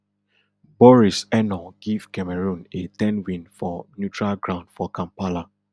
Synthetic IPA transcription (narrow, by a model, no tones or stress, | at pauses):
bɔɹisɛnɔɡiv̥kɛmɛɹũnetɛ̃nwĩnfɔnjutɹalɡɹãʊ̃ndfɔkãmpala